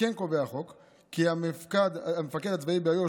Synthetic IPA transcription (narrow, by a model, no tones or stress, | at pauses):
enko̞veaχo̞kː | iamifkad̪amefaked̪at͡svaibeajo